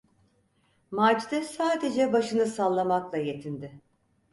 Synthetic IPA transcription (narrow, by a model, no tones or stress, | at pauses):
mat͡ʃd̪ɛsaːd̪e̞d͡ʒɛbaʃɯnɯsalˠːamaklˠaje̞t̪ʰind̪ɪ